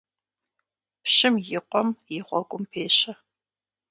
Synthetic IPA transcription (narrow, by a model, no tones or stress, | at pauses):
pɕɪmjɪqʷɔmjɪχʷɔɡʷʼʊmpʰeːɕɐ